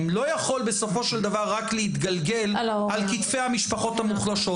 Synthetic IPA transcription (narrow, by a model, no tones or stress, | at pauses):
mlo̞jaχo̞lbeso̞fo̞ʃeld̪avaʁːakleit̪ɡalɡe̞l | alkit̪fe̞jhamiʃpaχo̞t̪hamuχlaʃo̞